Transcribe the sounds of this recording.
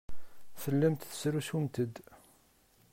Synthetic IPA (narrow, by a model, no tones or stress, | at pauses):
θəlːæmt̪θə̥sɾusumt̪əd̪